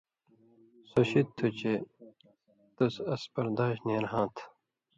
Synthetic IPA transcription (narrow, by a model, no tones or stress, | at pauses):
soɕitt̪ʰːut͡ɕe | t̪usɐspɐɾd̪aːɕneɾɦãːt̪ʰ